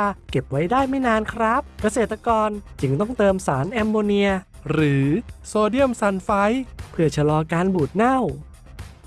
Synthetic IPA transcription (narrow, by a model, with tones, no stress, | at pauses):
ke˨˩p̚wa˦˥jdaː˥˩jma˥˩jnaː˧nkʰɾa˦˥p̚ka˧seː˨˩t̪ːa˧kɔː˧nt͡ɕɯ˧ŋt̪ɔ˥˩ŋt̪ɤː˧msaː˩˦nʔɛː˧mːoː˧ni˧ɐ | ɾɯː˩˦soː˧di˥˩əmsa˧nfa˦˥jpʰɯ˥˩ɐt͡ɕʰa˧lɔː˧kaː˧nbuː˨˩t̪̚na˥˩w